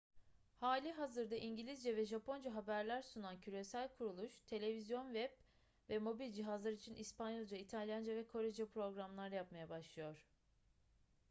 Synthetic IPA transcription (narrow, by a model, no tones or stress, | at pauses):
haːlʲiɦazɯɾd̪aʔiɲɟilʲizd͡ʒɛvɛʒapʰo̞nd͡ʒaɦabæɾlʲæɾsunancʰyɾe̞sælʲkʰuɾulˠuʃt̪ʰe̞lʲe̞vizjo̞nvɛb | vɛmo̞bilʲd͡ʒiɦazlˠaɾit͡ʃʰinʔispanjɯlˠd͡ʒait̪ʰalʲjand͡ʒavɛkʰo̞ɾed͡ʒapɾo̞ɡɾamlˠaɾjapmajabaʃlˠɯjo̞ɾ̥